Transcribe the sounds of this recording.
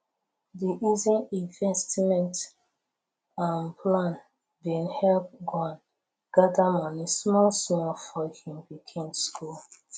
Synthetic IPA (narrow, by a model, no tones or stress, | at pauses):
diʔizĩnĩnvɛstmɛ̃nt | ãnplãn | bĩnhɛlp̚ɡɔ̃n | ɡ̥adamɔ̃nismɔlsmɔlfɔhĩmbikʰẽmskʰul